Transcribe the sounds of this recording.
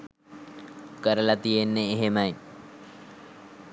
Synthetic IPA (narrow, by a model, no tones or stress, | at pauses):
kəɾəlɐt̪ijenːeːɦemɐj